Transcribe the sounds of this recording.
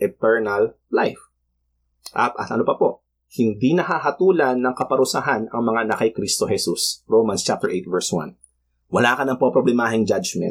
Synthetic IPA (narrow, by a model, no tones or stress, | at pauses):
ʔɛt̪ɛɹnɐl | lajf | ʔɐpʔɐt̪ʔɐnopɐpo̞ʔ | hɪnd̪inɐhaɦɐt̪uːlɐnːɐŋkɐpɐɾʊsaɦanɐŋmɐŋanɐkɐjkɾist̪o̞hɛsusɹomɐnst͡ʃap̚t̪ɛɹʔejt̪̚vɛɹswã̰n | wɐlaːkɐnɐŋpɐpɾoblɛmaːɦɪŋd͡ʒad͡ʒmɛ̰nt̪